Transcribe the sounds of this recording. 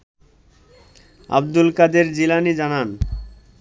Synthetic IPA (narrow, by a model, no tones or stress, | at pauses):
a̰bd̪ulkad̪eɾd͡ʑilanid͡ʑanan